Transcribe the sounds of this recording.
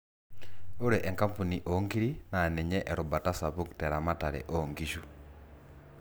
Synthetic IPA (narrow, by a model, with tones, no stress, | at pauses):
o˦ɾɛ˨ʔɛ˨ŋka˦mpu˨ni˨ʔɔ˦ŋɡi˦ɾina˨nɛ˨ɲɛ˦ʔɛ˨ɾɔ˨ba˨ta˦sa˨βu˦ktɛɾa˨ma˦ta˨ɾɛ̰ʔɔŋɡiʃu